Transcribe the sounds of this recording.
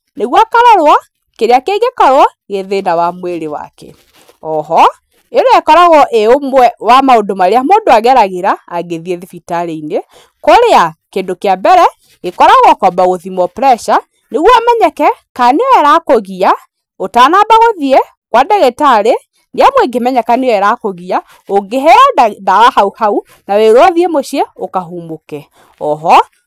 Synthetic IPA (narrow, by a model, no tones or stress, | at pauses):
neɣwakaɾɔɾwa | keɾeakeːɡekɔɾwa | ɣeðenawamweɾewa̰kɛ̰ | ɔɦɔ | eɾoɛkɔɾaɣɔʔeomwɛwamaodomaɾeamoːndoaɣɛɾaɣeɾaːɡeðieðefitaɾeine | koɾeakendokeabɛɾɛ | ekɔɾaɣɔkwabaɣoðimɔpɾɛʃa | neɣwɔamɛɲɛkɛkaneoɛɾakoɣia | otaːnabaɣoðie | kwadɛɣetaɾe | neamweɡemɛɲɛkaneoɛɾakoɣia | oɡeɦɛɔdawahauhau | naweɾowaðiemoʃiɛokaɦuːmbokɛ | ɔɦɔ